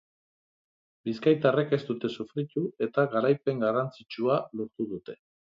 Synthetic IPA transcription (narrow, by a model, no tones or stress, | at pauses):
biskajt̪are̞ke̞st̪ut̪e̞sufɾit̪ue̞t̪aɣaɾajpe̞ŋɡarant͡sit͡ʃualoɾt̪uðut̪e̞